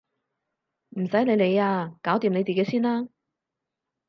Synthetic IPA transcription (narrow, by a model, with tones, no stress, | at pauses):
m̩˨˩sɐ˨˥jne˨˧jne˨˧jaː˧kaː˨˥wt̪iː˨mne˨˧jt͡siː˨˩ke˨˥jsiː˥nlaː˥